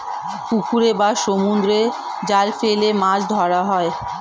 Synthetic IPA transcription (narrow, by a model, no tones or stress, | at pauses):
kukʰuɾebaʃomund̪ɾe | d͡ʑalfelemãd͡ʑd̪ʱɔɽaɦɔe